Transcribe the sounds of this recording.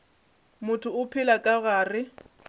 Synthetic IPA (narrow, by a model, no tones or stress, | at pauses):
mʊtʰʊʊpʰɪlakʼaɣaːrɪ